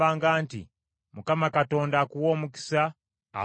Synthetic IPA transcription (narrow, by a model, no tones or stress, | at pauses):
aːŋɡaːntḭ | mukamakato̞ːndakuwo̞ːmuki̥sa | a̰